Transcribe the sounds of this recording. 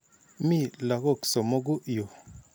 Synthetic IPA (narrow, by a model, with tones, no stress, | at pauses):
mi˦la˨ɣo˦˨kso˨mo˦ɡu˦ʔjo˨